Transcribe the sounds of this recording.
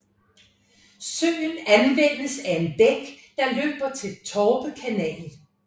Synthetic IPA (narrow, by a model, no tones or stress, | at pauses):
søŋn̩ænʋen̰əsæe̝nb̥eɡ̥ | d̥ɑ̈lø̰ːb̥ɐt͡sʰe̝lt͡sʰɒːb̥əkʰænɛ̰ːl̩